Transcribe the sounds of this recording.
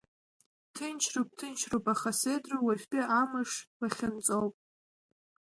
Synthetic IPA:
tʰɨnt͡ʃʰrop̚tʰɨnt͡ʃʰrowpʼaχasedruwafʲpʼiʔamɨʂraχʲɪnt͡sʼowpʼ

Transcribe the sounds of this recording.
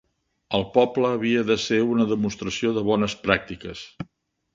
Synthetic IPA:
əlˠpɔpləːβiəðəseunəðəmunst̪ɾəsioðəβ̞ɔnəspɾak̚t̪ikəs

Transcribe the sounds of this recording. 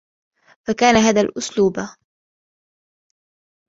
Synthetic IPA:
fakaːnaɦaːðaːlʔʊsluːba

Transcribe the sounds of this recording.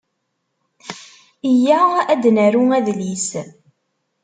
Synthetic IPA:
əjææd̪nəɾuæðlis

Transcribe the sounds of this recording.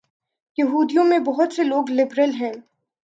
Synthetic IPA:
jɐɦuːd̪ijõmẽbɔɦʊt̪seloːɡlɪbɾəlɦɛ̃ː

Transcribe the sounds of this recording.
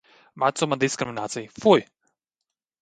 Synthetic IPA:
mat̪sɔmand̪iskɾiminaːt̪sijfuj

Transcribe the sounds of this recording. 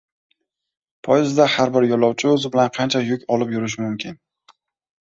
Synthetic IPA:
pʰɒjɪzd̪ahaɾbɪɾjɒlɒwt͡ʃʰɪɵzɪbɪlanqʰɑnt͡ʃʰajʊkʲɒlɪpjʊɾɪʃ̬ɪmʊmkʲʰɪn

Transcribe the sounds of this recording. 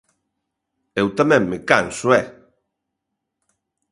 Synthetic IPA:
ewt̪amɛ̃ŋːɪkansʊɛ

